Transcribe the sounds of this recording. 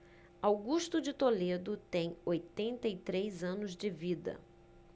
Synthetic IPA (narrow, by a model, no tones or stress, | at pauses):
awɡuʃt̪ʊd͡ʒɪt̪oled̪ʊt̪ẽj̃ojt̪ẽnt̪ɐit̪ɾejzɐ̃nʊzd͡ʒɪvid̪ɐ̰